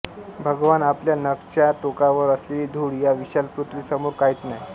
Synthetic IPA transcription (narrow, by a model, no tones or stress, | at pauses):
bʱəɡʋanapljanəkt͡ɕjaʈokaʋəɾəsleliːd̪ʱuɽjaʋiɕalpɾut̪ʋiːsəmoɾkaɦit͡snaj